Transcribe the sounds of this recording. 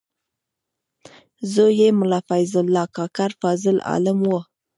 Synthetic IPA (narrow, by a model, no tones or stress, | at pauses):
zəjemʊlɑfajzɪlːɑkɑkaɾfɑzɪlɑ̰lɪmwo